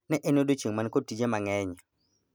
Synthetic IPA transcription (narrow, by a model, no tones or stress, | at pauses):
nɛʔenodot͡ʃeŋmankod̚tid͡ʒemaŋɛɲ